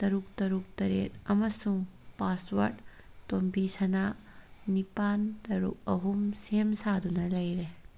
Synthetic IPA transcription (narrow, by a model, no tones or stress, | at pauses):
tɐɾuk̚tɐɾuk̚tɐɾḛt̚ɐmɐsuŋpaswɐɾt | tombisɐna | nipantɐɾṵk̚ɐ̰ɦumsemsadunɐlɐjɾe